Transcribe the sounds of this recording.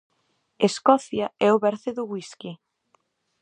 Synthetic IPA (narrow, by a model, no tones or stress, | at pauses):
eskɔθjaɛʊβɛɾθeðʊɣwiski